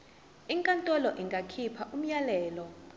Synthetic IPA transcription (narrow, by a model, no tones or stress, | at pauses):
iŋkʼantʼɔlɔʔiŋɡʱakʰipʰaʔum̩jalɛːlɔ